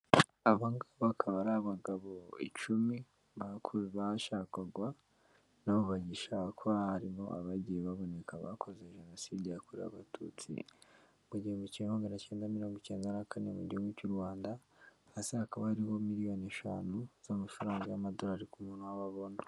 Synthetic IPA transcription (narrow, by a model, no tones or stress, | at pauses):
aβaŋɡaβkʰaβaɾaːβaŋɡaβo̞ḭt͡ʃumi | βakʰuβaʃaːkaɡwa | naβuβaɟiʃakʰohaɾimo̞ʔa̰βaɟijeβaβo̞ne̞kaβa̰kʰo̞ze̞ʒe̞no̞siːdijakuɾea̰βatṵːt͡sḭ | muɟihemucimaɡanace̞ːndamiɾo̞ːŋɡoce̞ːndanakʰane̞mṵɟiheɡwucuɾwaːndahasehakaβahaɾiβo̞miɾijo̞neʃaːnuz̥amufuɾaːŋɡajamado̞ɾaɾikumunawaβaβo̞nḁ